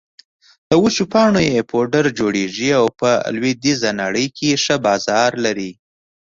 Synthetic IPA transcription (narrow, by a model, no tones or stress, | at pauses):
d̪̥əwut͡ʃupɑɳojepʰoɖəɾd͡ʒoɽeʐiawpə̰lwed̪izanaɽəjkʰeʂəbɑzɑɾlaɾi